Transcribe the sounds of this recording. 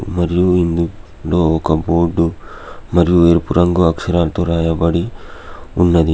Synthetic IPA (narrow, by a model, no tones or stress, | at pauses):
mɐɾjuind̪u | loːokɐboːɾɖumɐɾjueːɾpuɾɐŋɡuɐkʂɐɾaːlt̪uɾaːjɐbɐɽi | unːɐd̪i